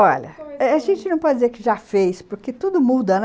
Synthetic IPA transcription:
ɔʎɐ̰ɛaʒẽnt͡ʃɪnɐ̃w̃pɔd͡ʒɪd͡ʒɪzeɾkɪʒafejspoɾket̪ud̪ʊmud̪ɐn

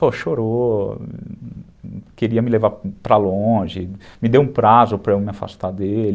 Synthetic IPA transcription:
poʃoɾo | keɾiɐmɪlevaɾpɾalõʒɪmɪd̪ewũpɾazʊpɾɐemɪafa̰st̪ad̪el

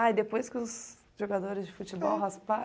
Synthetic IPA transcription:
aid̪epojskɪʊs | ʒoɡad̪oɾɪzd͡ʒɪfut͡ʃɪbɔwɦaspa

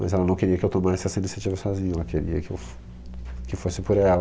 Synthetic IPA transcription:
mɐ̰zɛlɐnɐ̃w̃keɾiɐkɪewt̪omaɾɛsɛsɐ̃inisat͡ʃivɐsɔzĩɲɐɛlɐkeɾiɐkɪḛwf | kɪfosɪpoɾɛlɐ

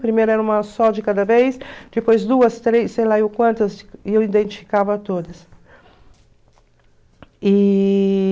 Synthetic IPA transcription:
pɾimejɾɐɛɾɐũmɐsɔd͡ʒɪkad̪ɐvejsd͡ʒ̪̥ɪpojzd̪uɐst̪ɾejsejlaiʊkwɐ̃nt̪ɐzewid̪ẽnt͡ʃ̪ifi̥kavɐːt̪od̪ɐs | i

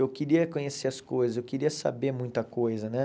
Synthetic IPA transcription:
ewwkiɾiɐkõɲeseɐskojzɐzewkiɾiɐsa̰bemũj̃t̪ɐkojzɐnɛ

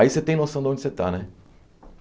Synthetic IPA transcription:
iset̪ẽj̃nosɐ̃nd̪õd͡ʒʲiset̪a̰nɛ

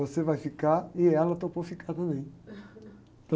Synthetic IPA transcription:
osevajfikaɾɪɛlɐt̪opofikaɾt̪ɐ̃mbẽj̃ | t̪ɐ̃

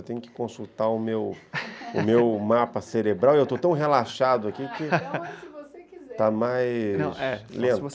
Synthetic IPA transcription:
wt̪ẽɲ̃jʊkɪ̥kõsut̪aʊmewʊ̰mewmapɐseɾebɾawewt̪ot̪ɐ̃w̃ɦelaʃad̪ʊakikɪ | t̪amajñsɛlẽnt̪

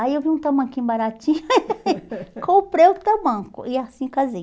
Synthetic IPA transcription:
aiewviũt̪ɐmɐ̃kĩbaɾat͡ʃĩɲ | kʰõpɾejʊt̪ɐmɐ̃kʊ̰ʔɪasĩkazi

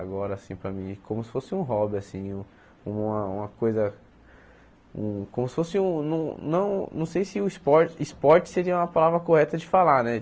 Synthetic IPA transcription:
aɡɔɾɐsĩpɾɐmĩkõmʊsɪ̥fosɪũɦɔbɪasĩũ | ũmɐũmɐkojzɐ | ṵ̃kõmʊsɪ̥fosɪũnɐ̃w̃nɐ̃w̃nɐ̰̃w̃sejsɪʊispɔɾt͡ʃispɔɾt͡ʃɪ̥seɾiɐũmɐpalavɾɐkohɛt̪ɐd͡ʒɪfalanɛ

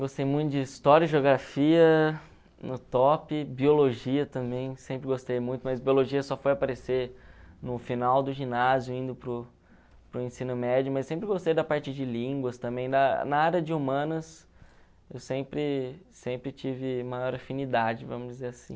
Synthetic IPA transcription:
ɡost̪ejmũj̃t̪ʊd͡ʒɪist̪ɔɾɐʒoɡɾafiɐ | nʊt̪ɔpɪbioloʒiɐt̪ɐ̃mbẽj̃sẽpɾɪɡost̪ejmũj̃t̪ʊmɐzbioloʒiɐsɔfojapaɾesenʊfinawd̪ʊʒinazjʊĩnd̪ʊpɾʊ | pɾʊẽsĩnʊmɛd͡ʒʊmɐzssẽmpɾɪɡost̪ejd̪ɐpaɾt͡ʃɪd͡ʒɪlĩɡwɐst̪ɐ̃mbẽj̃d̪ɐnɐaɾɐd͡ʒɪumɐ̃nɐs | ewsẽpɾɪsẽpɾɪt͡ʃivɪmajɔɾafinid̪ad͡ʒɪvɐ̃mʊzd͡ʒɪzeɾasḭ̃

